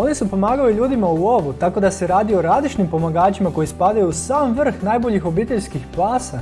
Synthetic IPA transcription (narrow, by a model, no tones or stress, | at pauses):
o̞nisupo̞maːɡauʎuːd̪imauo̞ʋut̪ako̞d̪aseɾaːd̪io̞ɾazit͡ʃnimpo̞maɡaːt͡ɕimako̞jispad̪ajuusaːmʋr̩xnajbo̞ʎixo̞biːt̪e̞ʎʲskixpaːsa